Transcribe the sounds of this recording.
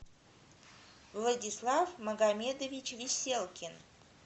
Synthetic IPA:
vlˠədʲɪslˠafməɡamʲed̪əvʲit͡ɕvʲɪsʲelˠkʲɪn

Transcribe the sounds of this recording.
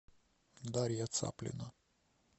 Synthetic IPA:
d̪aɾʲjat̪sa̰plʲḭna

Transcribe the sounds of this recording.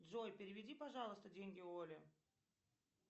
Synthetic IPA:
dʐojpʲɪɾʲɪvʲɪdʲipɐʐɑlˠəst̪ədʲenʲɡʲɪolʲɪ

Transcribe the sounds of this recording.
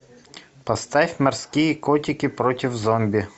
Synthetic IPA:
pɐst̪ɑfʲmɛrsʲkʲijikɔtʲɪkʲɪpɾɔtʲɪwzɔmʲbʲi

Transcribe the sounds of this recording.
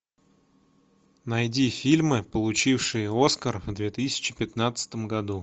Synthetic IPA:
nɐjdʲifʲilʲmɨpəlˠʊt͡ɕifʂɨjəo̞skərvd̪vʲe̞t̪ɨsʲɪ̥t͡ɕɪpʲɪt̪nat̪sə̥t̪əmɡɐd̪u

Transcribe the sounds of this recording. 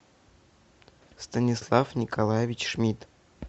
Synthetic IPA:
st̪ənʲɪslˠafnʲɪkalˠajevʲɪt͡ɕʂmʲit̪

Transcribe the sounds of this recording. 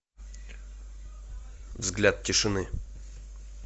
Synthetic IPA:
vzɡlʲat̪̚tʲɪʂɨnɨ

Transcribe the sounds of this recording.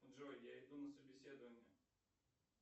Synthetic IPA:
ʐojʲjaɪd̪unəsəbʲɪsʲed̪əvənʲɪə

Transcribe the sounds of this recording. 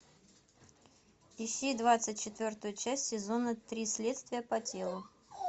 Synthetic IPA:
ɪsʲejd̪vat̪sɨt̚ʲt͡ɕɪt̪vʲo̞rt̪ʊjʊt͡ɕæsʲtʲːɪzo̞nət̪ɾʲislʲe̞t̪st̪vʲɪjəpɐtʲelˠʊ

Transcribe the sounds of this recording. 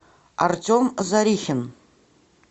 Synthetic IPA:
a̰rtʲʰʼomzaɾʲixʲɪn

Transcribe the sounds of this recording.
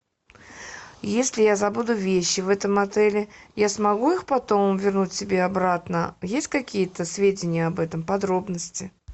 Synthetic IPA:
jesʲlʲɪjazɐbud̪ʊvʲeɕːɪvɛt̪əmɐt̪ɛlʲɪjasmɐɡuixpɐt̪o̞mvʲɪrnutʲsʲɪbʲeɐbɾat̪nəjesʲtʲkɐkʲijət̪əsvʲedʲɪnʲɪjəɐbɛt̪əmpɐd̪ɾobnəsʲtʲɪ

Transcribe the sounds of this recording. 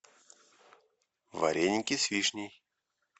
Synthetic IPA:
va̰ɾʲʔenʲkʲisʲvʲiʂnʲij

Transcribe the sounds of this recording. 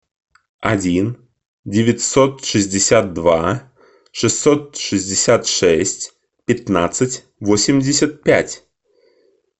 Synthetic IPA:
adʲin | dʲɪvʲɪtʲsot̪ʂɨzʲdʲɪsʲat̪̚d̪va | ʂɨsːot̪̚ʂɨzʲdʲɪsʲat̪ʂɛsʲtʲ | pʲɪt̪na̰t̪sɨtʲ | vosʲɪmʲdʲɪsʲət̪̚pʲætʲ

